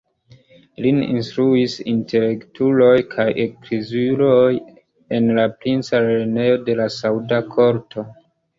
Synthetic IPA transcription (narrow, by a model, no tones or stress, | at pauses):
linḭnstɾuisintʰe̞le̞ktʰulo̞jkʰajekɾizilo̞j | e̞nlapɾint͡salene̞jo̞de̞lasaudakʰo̞ɾtʰo̞